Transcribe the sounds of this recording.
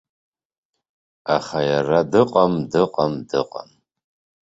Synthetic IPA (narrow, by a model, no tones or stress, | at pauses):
aχajaradɨqʼɐmdɨqʼamdɨqʼa̰m